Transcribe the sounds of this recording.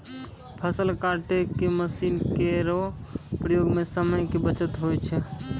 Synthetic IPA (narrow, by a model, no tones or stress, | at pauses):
pʰəsəlkaɾʈekeməsinkeɾopɾəjoɡmesəməjkebət͡ʃət̪ɦojt͡ʃʰɛ